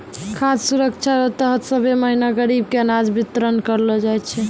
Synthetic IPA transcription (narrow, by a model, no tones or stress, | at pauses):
kʰassuɾəkt͡ʃʰaɾət̪əɦət̪səbeməɦinaɡəɾib̚keənad͡ʒbit̪ɾənkəɾlɔd͡ʒajt͡ʃʰɛ